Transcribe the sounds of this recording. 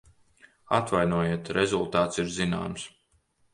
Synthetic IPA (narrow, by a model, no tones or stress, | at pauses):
at̪vajnuɔjiɛt̪ɾezulˠt̪aːt̪siɾzina̰ːms